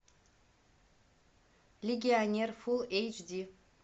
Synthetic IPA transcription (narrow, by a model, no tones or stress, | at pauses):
leɡʲionʲerfulejt͡ʃdi